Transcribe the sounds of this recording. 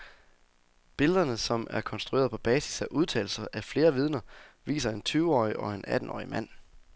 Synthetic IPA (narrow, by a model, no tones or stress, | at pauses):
b̥e̝ləðˠɐnəsɒ̽mʔæɐkʰɒ̽nsd̥ʁue̝ːɐð̞ˠpʰɒ̽b̥ɛːsi̥sæʔuð̞ˠt͡sʰɛ̰ːl̩sɐʔæfle̝ːɐʋið̞ˠnɐʋḭːsɐe̝nt͡sʰyːʊɒ̰ːjiʔɒ̽enæd̥n̩ɒ̰ːimæn̰